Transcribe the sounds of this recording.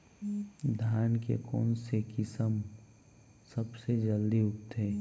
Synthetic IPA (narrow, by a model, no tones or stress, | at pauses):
d̪ʱjaːnkḛkɔ̰ːnsekɪsəm | səbsed͡ʒəld̪iʊkt̪ʰeː